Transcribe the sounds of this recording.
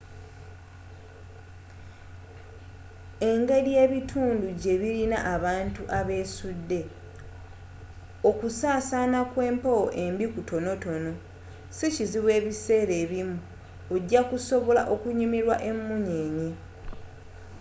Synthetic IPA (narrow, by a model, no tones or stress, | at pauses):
e̞ŋɡe̞ɾije̞ːβitʰuːnduɟe̞βilinaʔaβaːntuʔaβe̞ːsudːe̞ | okusaːsaːnakwe̞ːmpowoʔe̞mbikutʰo̞no̞to̞no̞ | siciziβwe̞ːβise̞ːɾe̞ːβimu | oɟːakuso̞βo̞la̰ʔo̞kuɲimiɾwaʔe̞mːuɲeɲe